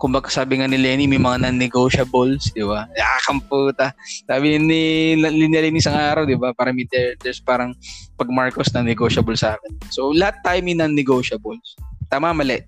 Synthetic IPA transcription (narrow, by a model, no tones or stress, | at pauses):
kʊmbɐɡasaːbɪŋanɪlɛnimɐjmɐŋanɐnːɛɡoːʃɐbolsd̪ɪbanɐʔaːkɐmpuːt̪ɐsaːbɪnɪnɪlɪnjɐlɪnʔɪsɐŋaːɾɐwd̪ɪbapaːɾɐmɐt̪ɛɹt̪ɛɹspaːɾɐŋpɐɡ̚maɹkosnɐŋnɛɡoʃɐbolsʔaːkɛnsolɐhat̪ːaːjomɐjnɐnːɛɡowʃɐbolst̪aːmamɐlɛʔ